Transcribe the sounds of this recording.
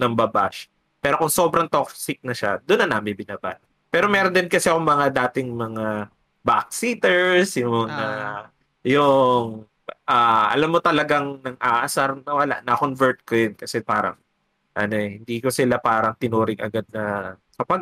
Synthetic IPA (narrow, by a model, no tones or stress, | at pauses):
nɐŋbɐba̰ʃ | pɛːɾo̞kʊŋso̞bɾɐŋt̪oksɪk̚nɐʃad̪ʊnːɐnaːmɪnbɪnaːba̰t̪ | pɛːɾo̞mɛːɾond̪ɪnkɐsɛɐkʊŋmɐŋad̪aːt̪ɪŋmɐŋa | bak̚sit̪ɛɹsjʊŋmɐŋa | jʊŋ | ʔaːʔɐ̰lamːot̪ɐlɐɡaŋnɐŋʔaːʔɐsaɾnɐwɐla̰ʔnɐkonvɛɹt̪̚kojonkɐsɛpaːɾɐ̰ŋ | ʔɐ̰noʔɛhɪnd̪iːkosɪlapaːɾɐŋt̪ɪnuːɾɪŋʔɐ̰ɡad̪̚nɐ | kɐpɐɡ̚